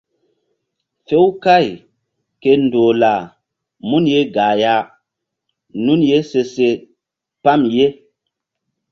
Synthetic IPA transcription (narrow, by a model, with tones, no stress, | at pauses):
fe˦wka˦˨j | ke˨ndo˨la˨ | mu˦nje˦ɡa˨ja˨˦ | nu˦nje˦se˧se˦ | pa˦mje˦